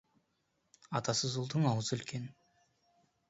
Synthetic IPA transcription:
ɑt̪ɑsəzʊlˠd̪əɴɑwəzʏlkʰʲe̞n

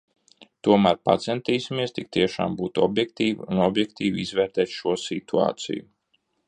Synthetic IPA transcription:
t̪uɔmæːɾpa̰t̪sɛnt̪iːsimiɛst̪ik̚t̪iɛʃa̰ːmbuːt̪uɔbjɛkt̪iːviunɔbjɛkt̪iːvizvɛːɾt̪ɛːt̪ʃuɔsit̪ua̰ːt̪sḭju

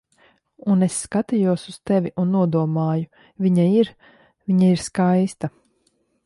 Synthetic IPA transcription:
unesːkat̪ijuɔsuz̥t̪ɛvʲiʔunːuɔd̪uɔmaːju | vʲiɲaiɾ | vʲiɲaiɾskajst̪a

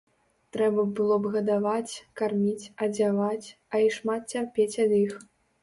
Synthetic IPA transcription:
t̪ɾɛbɐbɨlˠɔbɣɐd̪avat͡sʲkarmʲit͡sʲɐd͡zʲavat͡sʲ | ɐiʂmat̪̚t͡sʲarpʲet͡sʲɐd̪ix

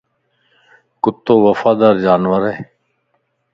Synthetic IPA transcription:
kʊt̪ːoːʋəfaːd̪aːɾd͡ʒaːnʋəɾɦeː

